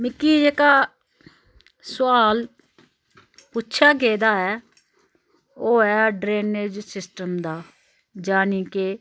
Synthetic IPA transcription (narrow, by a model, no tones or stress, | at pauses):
mɪkːiːd͡ʒeːkaː | sʊaːl | puʃʰaːɡeːd̪aːɛː | oːɛːɖɾeːneːd͡ʒsɪsʈəmd̪aː | d͡ʒaːnĩːke